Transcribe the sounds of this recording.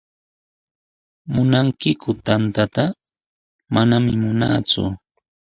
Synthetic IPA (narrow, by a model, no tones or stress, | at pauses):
mʊnaŋkɪkʊt̪ant̪at̪a | manamɪmʊna̰ːt͡sʊ̰